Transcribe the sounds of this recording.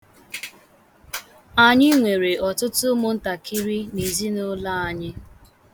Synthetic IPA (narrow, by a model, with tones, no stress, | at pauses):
a˨ɲɪ˦ŋʷe˨ɾe˨ɔ˨tʊ˦tʊ˦mʊ˨n̩˦ta˨kʰi˦ɾi˦ni˨zi˦nʊ˦la˦˨a˨ɲɪ˦